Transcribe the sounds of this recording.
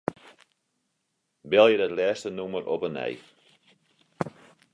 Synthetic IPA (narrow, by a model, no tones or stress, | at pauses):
bɛlˠjədətlɛːstənuməɾʔɔpənɛ̰j